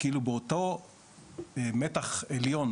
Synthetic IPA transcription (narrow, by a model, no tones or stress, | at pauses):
kiilubeoto̞ | emetaχeljo̞n